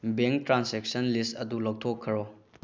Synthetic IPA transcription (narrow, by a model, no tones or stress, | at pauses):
beŋk̚tɾansek̚sɐnlistɐdulowtʰokʰːɐɾo